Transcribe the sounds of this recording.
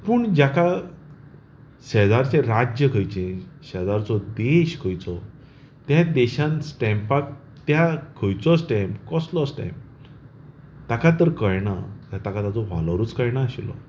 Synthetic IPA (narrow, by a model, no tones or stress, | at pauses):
puːɳd͡ʑaka | ɕɛd͡zaɾt͡seɾad͡ʑjəkʰəjt͡ɕẽɕəd͡zaɾt͡sɔd̪eɕkʰəjt͡sɔ | t̪jãd̪eɕãnsʈɛ̃mpak | t̪jakʰəjt͡sɔsʈɛ̃mpkɔslɔsʈã̰jm | t̪akat̪əɾkəjɳat̪jat̪akat̪at͡sɔʋa̰ləɾuːt͡skəjɳaaɕilɔ̰